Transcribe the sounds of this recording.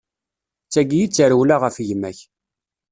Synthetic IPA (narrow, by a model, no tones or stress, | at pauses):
t͡sːæɡijit͡sːəɾəwlaʁəfjəmːæç